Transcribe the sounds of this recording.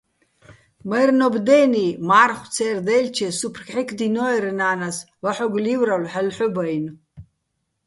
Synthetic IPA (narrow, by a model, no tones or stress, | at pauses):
majrnɔbd̪ɛːnimaːrχʷt͡sʰɛːrd̪ɛlt͡ʃʰɛsupʰrkħikʼʰd̪inɔɛɾɨnaːnas | vaħɔɡlivɾalħəlħʊbajn